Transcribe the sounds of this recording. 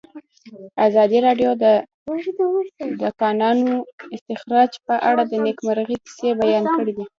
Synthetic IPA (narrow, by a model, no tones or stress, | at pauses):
azɑd̪iɾɑɖjod̪ə | d̪akɑnɑnoɪst̪ɪxɾɑd͡ʒpəʔaɽad̪ənekmaɾɣikɪ̥sebajɑnkəɽid̪i